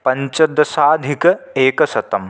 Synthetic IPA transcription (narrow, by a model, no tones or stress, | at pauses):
pɐɲt͡ʃɐd̪ːɐsaːd̪ʱikɐeːkɐsɐt̪ɐm